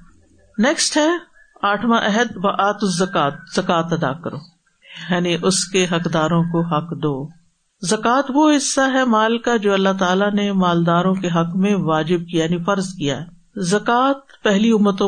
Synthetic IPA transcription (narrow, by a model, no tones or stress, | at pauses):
nɛːksʈɦɛ | aːʈʰmãʔɛɦəd̪ʋɐʔaːt̪ʊsːɐkaːt̪̚z̥ɐkaːt̪ɐd̪a̰kɐɾo̰ː | jaːniʔʊskeɦɐkd̪aːɾõkoɦɐkd̪oː | zɐkaːt̪ʋoɦɪsːaɦɛmaːlkad͡ʒoːɐlːat̪aːlanemaːld̪aːɾõkeɦɐkmẽʋaːd͡ʒɪb̚kijanifɐɾzkija̰ɦɛ | zɐkaːt̪̚pɛɦliʊmːət̪õ